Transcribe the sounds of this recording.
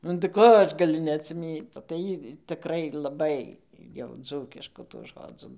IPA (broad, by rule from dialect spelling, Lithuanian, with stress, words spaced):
nʊ tɐɪ ˈkoː ˈɐʃ ɡɐˈlʲʊ nʲɛɐtʲsʲɪˈmʲiːt͡s tɐɪ ˈjiː tɨˈkrɐɪ lˠɐˈbɐɪ jɛʊ ˈd͡zuːkʲɪʃkuː tuː ˈʒoːd͡zuː